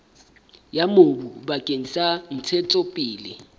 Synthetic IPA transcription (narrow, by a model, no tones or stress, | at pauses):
jamobubakʼeɲisan̩t͡sʰɛt͡sʼɔpʼiːlɪ